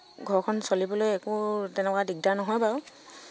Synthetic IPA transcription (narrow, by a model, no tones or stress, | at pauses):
ɡʱɔɹkʰɔnsolibɔlojɛkʊtɛnɛkwadiɡ̚danɔɦɔjbaɹ